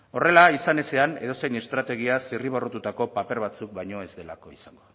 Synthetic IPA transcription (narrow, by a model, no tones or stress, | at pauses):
o̞re̞laisane̞se̞ane̞̰ðose̞jne̞st̪ɾat̪e̞ɣ̞iasiriβ̞orot̪ut̪ako̞pape̞ɾβat͡suk̚bajɲo̞e̞zd̪e̞la̰ko̞isaŋɡo̞